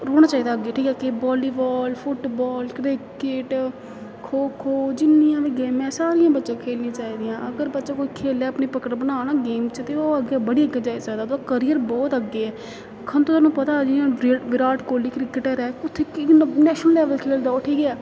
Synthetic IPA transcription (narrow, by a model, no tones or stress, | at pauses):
ɾoːɽ̃aːt͡ʃaːiːd̪aːɡeːʈʰiːkɛːkɪbɔːliːbɔːlfʰʊʈbɔːlkɾɪkɪʈ | kʰoːkʰoːd͡ʒɪnːijãːʋeːɡeːmɛ̃ːsaːɾijãːbətːʃãːkʰeːlnĩːt͡ʃaːiːd̪ɪjãːʔəɡəɾbətːʃãːkoːiːkʰeːlɛːəpneːpəkəɾbənaːnaːɡeːmt͡ʃt̪eːoːəɡeːbəɽiːəɡːeːd͡ʒaːisaːɡd̪aːd̪okəɾijəɾbɔːt̪əɡːeːɛː | kʰənt̪õːt̪aːnũːpət̪aːd͡ʒɪãʋɪɾaːʈkoːliːkɾɪkəʈɛɾɛːʊt̪ʰːeːknɛːʃnəllɛːʋəlkʰeːld̪aoːʈʰiːkɛː